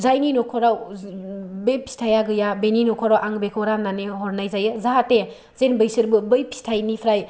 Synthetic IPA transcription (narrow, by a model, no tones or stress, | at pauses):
zajninɔkʰɔɾaw | bepʰi̥stʰajaɡɯjabeninɔkʰɔɾawʔaŋbekʰɯwɾananeɦɔɾnajzajɯzaɦate | zenbɯjsɯɾbɯbɯjpʰi̥stʰajnipʰɾaj